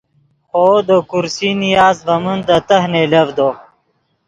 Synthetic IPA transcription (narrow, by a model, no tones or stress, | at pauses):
xoːd̪okuɾsinijaːzvɐmund̪ət̪ɐhnelɐvd̪o